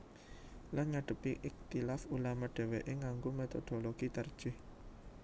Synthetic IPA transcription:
lanɲaɖ̥ə̤piʔɪk̚t̪ilafulamaɖ̥ɛ̤weʔeŋaŋɡomet̪ɔd̪̥oloɡ̥it̪ərd̥ʒ̥ɪh

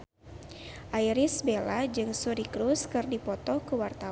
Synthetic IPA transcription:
ʔaiɾisbelad͡ʒɨŋsuɾikɾuskɨrdipɔt̪ɔkəwart̪a

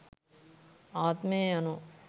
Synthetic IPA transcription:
aːt̪mẽɐno

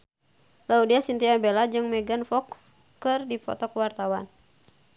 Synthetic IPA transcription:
laudiasint̪iabɛlad͡ʒɨŋmɛɡanfɔks | kɨrdifɔ̰t̪ɔkəwart̪awan

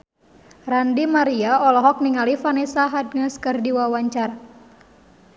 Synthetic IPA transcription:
randimaɾiaɔlɔɦɔk̚niŋalifanɛsaɦad̚ŋaskɨrdiwawaɲt͡ʃar

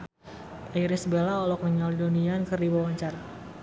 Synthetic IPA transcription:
aiɾisəbelaɔlɔk̚nəŋalidoniankərdibawaɲt͡ʃar

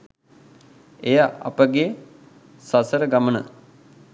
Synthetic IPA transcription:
ejaʔɐ̰pəɡe | sasəɾəɡamənə̰

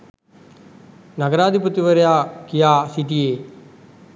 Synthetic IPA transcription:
naɡəɾaːd̪ʱiput̪iʋəɾejaːkijaːsiʈieː

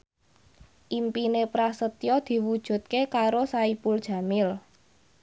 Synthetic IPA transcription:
ʔimpinepɾasət̪jɔd̪̥i̤wud̥ʒ̥ṳt̪̚kekaɾosaipʊld̥ʒ̥ä̤mɪl

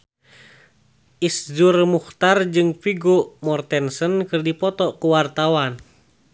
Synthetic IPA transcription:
ʔisd͡ʒurmuht̪ard͡ʒɨŋfiɡumɔrt̪ɛnsənkɨrdipɔt̪ɔkuwart̪awan

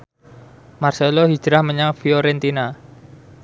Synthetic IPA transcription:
marselohi̥d͡ʒ̥ɾahməɲaŋfioɾɛnt̪ina

